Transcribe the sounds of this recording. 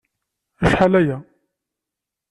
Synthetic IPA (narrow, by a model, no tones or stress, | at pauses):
æʃħalæjæ